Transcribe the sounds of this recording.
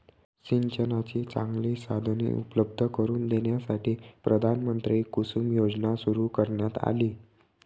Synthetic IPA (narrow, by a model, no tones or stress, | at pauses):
ɕiɲt͡ɕənat͡ɕiːt͡sã̰ŋɡliːsad̪ʱənḭʔṵpləb̚d̪ʱəkəɾuːnd̪enjasaʈʰiːpɾəd̪ʱanmənt̪ɾiiːkusumjod͡znasuɾuːkəɾɳjat̪a̰liː